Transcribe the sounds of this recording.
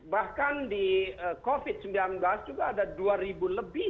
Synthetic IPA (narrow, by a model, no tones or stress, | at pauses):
bahkandiəkofɪd̪̚səmbilanblasd͡ʒuɡaːdaduaɾibuləbɪ